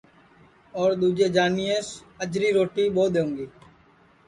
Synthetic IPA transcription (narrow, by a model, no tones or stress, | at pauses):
ɔːɾd̪uːd͡ʒeːd͡ʒaːnijes | əd͡ʒɾiːɾoːʈiːboːd̪eːũːŋɡiː